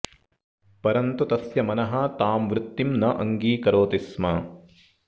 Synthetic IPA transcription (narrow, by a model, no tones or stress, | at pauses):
pɐɾɐnt̪ut̪ɐsjɐmɐnɐɦɐt̪aːmʋɾut̪ːimnɐʔɐŋɡiːkɐɾoːt̪ismɐ